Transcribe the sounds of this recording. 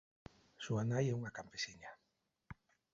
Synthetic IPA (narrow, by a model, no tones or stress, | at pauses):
suanajɛuŋakampesiɲa